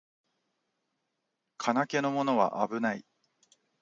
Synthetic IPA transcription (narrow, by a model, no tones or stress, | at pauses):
kʰanake̞no̞mo̞no̞βa̰ʔabɯ̟naḭ